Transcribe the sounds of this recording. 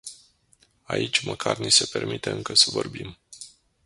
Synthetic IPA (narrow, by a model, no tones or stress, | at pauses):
ait͡ʃʲməkʰarnise̞pe̞rmit̪eɨŋkəsəvo̞rbim